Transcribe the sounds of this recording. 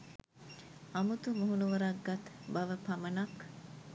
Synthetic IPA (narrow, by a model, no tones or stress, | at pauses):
ɐmut̪umuɦunuʋɐɾɐɡːɐt̪bɐʋəpɐmɐnɐk